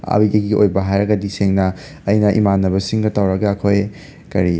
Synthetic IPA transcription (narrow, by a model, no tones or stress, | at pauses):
a̰bidɐɡiʔo̰jbɐɦajɾɐɡɐdiseŋnɐ | ɐjnɐʔḭmanːɐbɐsiŋɡɐtawɾɐɡɐɐkʰoj | kɐɾi